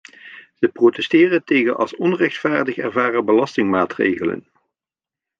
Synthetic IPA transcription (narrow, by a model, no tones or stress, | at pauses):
z̥əprotɛstɪːrəntejɣənʔɑ̰lˠsɔnrɛχtfaːɹdəχɛ̰rvaːrəbəlɑstɪŋmaːtrḛjɣələ̰n